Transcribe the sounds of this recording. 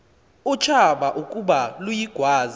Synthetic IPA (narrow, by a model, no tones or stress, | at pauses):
ut͡ʃʰaɓaʔukʼuɓalujiɡ̥ʱwaːza